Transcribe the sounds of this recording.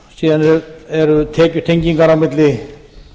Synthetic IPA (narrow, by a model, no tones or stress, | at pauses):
siːðanɛɛɾʏt̪ʰɛːcʏ̥t̪ʰejɲciŋkaɾawmɪt̪lɪ